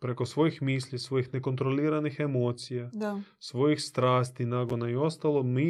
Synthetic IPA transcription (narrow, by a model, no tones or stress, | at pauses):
pɾe̞ko̞sʋo̞jixmiːsʎisʋo̞jixne̞ko̞nt̪ɾoliːɾanixemo̞ːt̪sijaa | sʋo̞jixst̪ɾaːst̪inaːɡo̞naio̞st̪alˠomi